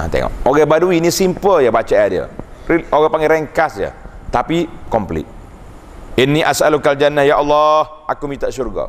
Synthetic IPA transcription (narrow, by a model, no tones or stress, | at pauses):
a̰t̪ḛŋɔ̰ʔoɣɛbaduinĩsimpəljəbat͡ʃajadiə̰ioɣɛpaŋɡɛɾɛŋkasjə̰t̪apikɔmplḭt̪̚ | inːĩʔasalukald͡ʒanːahjaʔɑlːɑh | ʔakumĩt̪aʔsurɡa̰